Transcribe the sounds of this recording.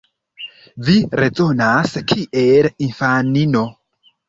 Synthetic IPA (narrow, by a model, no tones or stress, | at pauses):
viɾezonaskʰiʔelinfanino